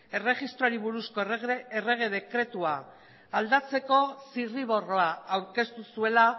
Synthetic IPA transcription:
e̞re̞ɣist̪ɾoaɾiβuɾusko̞ere̞ɣ̞e̞ðe̞kɾe̞t̪uaː | ld̪at͡se̞ko̞siriβ̞o̞ro̞aawɾke̞st̪usue̞la

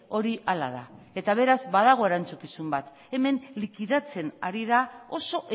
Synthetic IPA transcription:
o̞ɾiʔala̰ða̰ | e̞t̪aβ̞e̞ɾazbaðaɣ̞o̞e̞ɾant͡sukisumbat̪ | e̞me̞nlikiðat͡se̞naɾiðao̞so̞ʔe

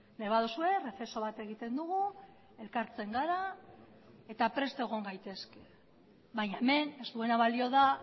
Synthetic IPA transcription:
ne̞βaðosue̞re̞fe̞so̞βat̪e̞ɣ̞it̪e̞nd̪uɣu | e̞lkaɾt͡se̞ŋɡaɾa | e̞t̪apɾe̞st̪oe̞ɣ̞o̞ŋɡajt̪e̞ske̞ | βajɲaeme̞ne̞zt̪ue̞naβalio̞ða

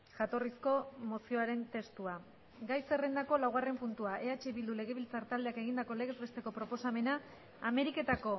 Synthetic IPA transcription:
ʝat̪o̞risko̞mo̞sio̞aɾe̞nt̪e̞st̪ua | ɡajse̞re̞nd̪ako̞lawɣ̞are̞mpunt̪uaʔe̞at͡ʃe̞βild̪ule̞ɣ̞e̞β̞ilt͡saɾt̪ald̪eake̞ɣind̪ako̞le̞ɣezβe̞st̪e̞ko̞pɾo̞po̞same̞naː | me̞ɾike̞t̪ako̞

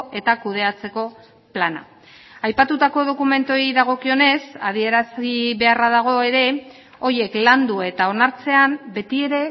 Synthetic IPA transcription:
e̞t̪akuð̞e̞at͡se̞ko̞ | plana̰ | ajpat̪ut̪ako̞ð̞o̞kume̞nt̪o̞iðaɣ̞o̞kio̞ne̞sað̞ie̞ɾasiβe̞araðaɣ̞o̞e̞ɾe̞ | o̞je̞kland̪ue̞t̪ao̞naɾt͡se̞ambe̞t̪ie̞ɾe̞

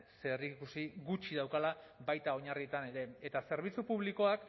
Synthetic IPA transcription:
serikusiɡut͡ʃiðawkalaβajt̪ao̞ɲariet̪ane̞ɾe̞et̪ase̞ɾβ̞it͡supuβliko̞ak

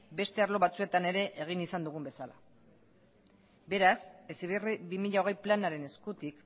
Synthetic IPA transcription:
be̞st̪e̞aɾlo̞βat͡sue̞t̪ane̞ɾe̞ʔeɣ̞inisand̪uɣ̞umbe̞sala̰ | be̞ɾasesiβriβimiʎao̞ɣ̞e̞jplanaɾe̞ne̞skut̪ik

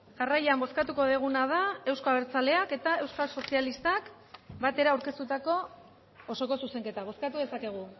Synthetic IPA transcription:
ʝarajambo̞skat̪uko̞ðeɣ̞unað̞ae̞wsko̞aβeɾt͡sale̞ake̞t̪ae̞wskalso̞sialist̪ak | bat̪e̞ɾaːwɾke̞st̪ut̪ako̞ː | so̞ko̞suse̞ŋke̞t̪aβ̞o̞skat̪uðe̞sake̞ɣ̞u

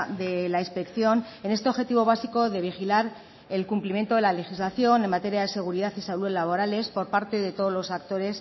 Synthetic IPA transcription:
ðe̞lainspe̞kθjo̞ne̞ne̞st̪eo̞βxe̞t̪iβ̞o̞β̞asiko̞ðe̞β̞ixilaɾ | e̞lkumplimjent̪o̞ðe̞lale̞xizlaθjo̞ne̞mat̪e̞ɾjaðe̞se̞ɣ̞uɾiðaθisaluðlaβ̞o̞ɾale̞spo̞ɾpaɾt̪e̞ðet̪oðozlo̞sak̚t̪o̞ɾe̞s

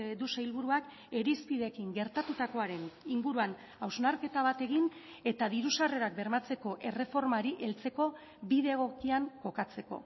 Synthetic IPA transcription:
d̪usajlβuɾuak | e̞ɾispiðe̞kiŋɡe̞ɾt̪at̪ut̪ako̞aɾe̞niŋɡuɾuan | awznaɾke̞t̪aβ̞at̪e̞ɣin | e̞t̪aðiɾusare̞ɾak̚be̞ɾmat͡se̞ko̞ʔe̞re̞fo̞ɾmaɾiʔe̞lt͡se̞ko̞ | biðe̞ɣo̞kiaŋko̞kat͡se̞ko̞̰

